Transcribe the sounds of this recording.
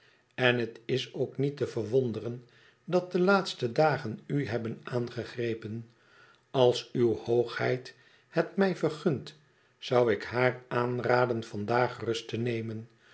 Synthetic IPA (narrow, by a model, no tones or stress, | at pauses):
ɛnɦətɪsowknitəvəɹʋɔndərən | dɑt̚dəlaːtstədaːχənyɦɛbənaːnχəχrejpən | ɑlˠsywhowχhɛjt | hətmɛjvərχʏnt | sɑwɪkɦaːraːnraːdənvɑndaːχrɵstənejmən